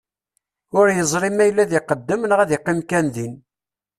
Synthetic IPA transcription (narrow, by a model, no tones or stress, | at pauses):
ʊɾjəzˤɾimæjlːæðiqəd̪ːəmənʁæðiqːimkænðin